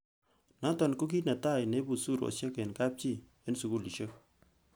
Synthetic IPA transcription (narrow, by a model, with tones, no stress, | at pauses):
na˦tɔ˨nko˦k̬i˦na˨ta˦˨ne˦bu˨su˦˨ɾo̰˨se˦ke˨nka˦p̚t͡ʃi˦˨ | e˦nsu˨ku˨li˨ʃe˦k̚